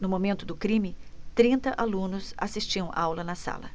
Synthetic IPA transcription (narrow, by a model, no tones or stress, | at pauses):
nʊmomẽnt̪ʊd̪ʊkɾĩmɪt̪ɾĩnt̪ɐʔalũnʊsa̰sist͡ʃiɐ̃w̃ʔawlɐnɐsa̰lɐ̰